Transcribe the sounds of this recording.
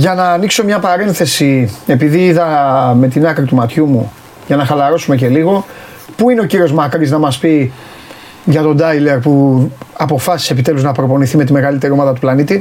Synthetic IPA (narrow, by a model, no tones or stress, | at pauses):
ʝɐnɐːnikso̞mɲɐpɐɾe̞nθe̞sie̞piðiiðɐme̞t̪inɐkɾit̪umɐt̪çumu | ʝɐnɐxɐlɐɾo̞sume̞ce̞liɣo̞ | puine̞ociɾio̞zmɐkɾiznɐmɐspi | ʝɐt̪o̞nd̪ɐjle̞ɾpuɐpo̞fɐsi̥se̞pit̪e̞luznɐpɾo̞po̞niθimet̪ime̞ɣɐlit̪e̞ɾio̞mɐðɐt̪uplɐnit̪i